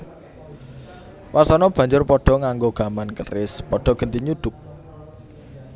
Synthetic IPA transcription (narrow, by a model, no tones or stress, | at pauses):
wasɔnɔb̥a̤ɲd͡ʒʊrpɔɖ̥ɔ̤ŋaŋɡoɡ̥ä̤mankəɾɪspɔɖ̥ɔ̤ɡ̥ə̤nt̪iɲud̪̥ʊ̤k̚